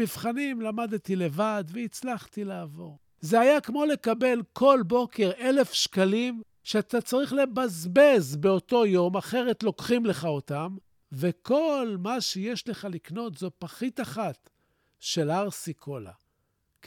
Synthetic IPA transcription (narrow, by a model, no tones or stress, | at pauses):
ivχanimlamad̪t̪ile̞vad̪veit͡slaχt̪ilaːvo̞ʁ | zeajakmo̞le̞kabe̞lkʰo̞lbo̞ke̞ʁe̞le̞fʃkalim | ʃeat̪at͡saʁiχle̞bazbezbe̞o̞to̞jo̞maχe̞ʁe̞t̪lo̞kχimle̞χao̞tam | ve̞kʰo̞lmaʃejeʃle̞χalikno̞t̪zo̞paχit̪aχat̪ | ʃelaʁsikʰo̞la̰